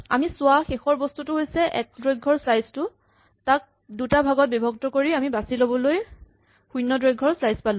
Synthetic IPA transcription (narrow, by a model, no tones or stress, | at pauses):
a̰misʊaxexɔɹbɔstutʊɦojsɛʔɛ̰k̚dɹɔɡʱːɔɹslajztʊ | tak̚ | dutabʱaɡɔt̚bibʱɔɡ̚tɔkoɹiamibasilobɔloj | xujnːɔdɹɔɡʱːɔɹslajspalʊ̃